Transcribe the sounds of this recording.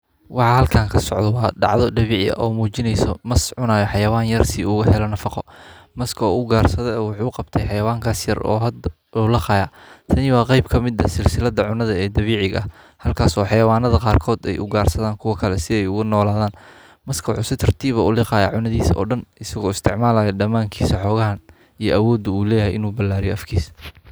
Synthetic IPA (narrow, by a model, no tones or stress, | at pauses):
wɑħɑhɐlkʰaːŋkʰɐsɔʕðɔwɑːɖɑ̰ʕðɔd̪ɐβiːʕɪɐ̰ʔɔːmuːt͡ʃɪnɛjsɔmɐsʕʊnaːjɔħɑjɐwaːnjɐrsɪʊɣɐɦɛlɐnɐfɑqɔmɐskʰɔːʊɡaːrsɐðɔɛːwʊħuːqɑb̚t̪ʰɛjħɑjɐwaːŋkʰaːsjɐrɔ̰ːɦɐd̪ | uːlɐqɑjaː | t̪ʰɐnɪwɑːqɑjbkʰɐmɪd̪ɐsɪlsɪlɐd̪ɐʕʊnɐðɐɛːd̪ɐβiːʕɪɣɐ̰ | hɐlkʰaːsɔːħɑjɐwaːnɐðɐqɑːrkʰɔːd̪ɛ̰jʔʊ̰ɡaːrsɐðaːŋkʰʊwɐkʰɐlɛsɪɛjʊɣʊnɔːlaːðaːn | mɐskʰɐʊħʊsɪt̪ʰɐrt̪ʰiːβɐʊlɪqɑːjaʕʊnɐðiːsɔ̰ːɖɐnʔɪsɐɣɔːɪst̪ʰɪʕmaːlaːjɐɖɐmaːŋkʰiːsɐħɔːɣɐɦɐn | ijɞʔɐwɔːd̪ʊuːlɛːjɐhɛjʔɪnuːbɐlaːɾijɔʔɐfkʰiːs